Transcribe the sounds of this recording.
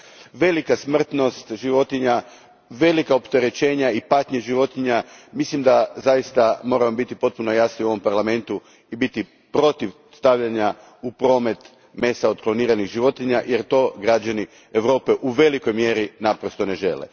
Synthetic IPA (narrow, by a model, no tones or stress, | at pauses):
ʋe̞likasmr̩t̪no̞st̪ʒiʋo̞t̪iɲa | ʋe̞likaopt̪e̞ɾe̞t͡ɕe̞ːɲaipat̪ɲeʒiʋo̞t̪iɲamislimd̪azajist̪amo̞ːɾamobit̪ipo̞t̪̚puno̞jasniuoʋo̞mpaɾlame̞nt̪u | ibit̪i | pɾo̞t̪iʋ | st̪aʋʎaɲa | upɾo̞ːme̞t̪ | me̞saod̪klo̞niːɾaniɣʒiʋo̞t̪iɲaje̞ɾt̪o̞ɡɾad͡ʒani | eʋɾo̞ːpe̞ʔuʋe̞liko̞jmje̞ɾinapɾo̞st̪o̞ne̞ʒe̞̰lḛ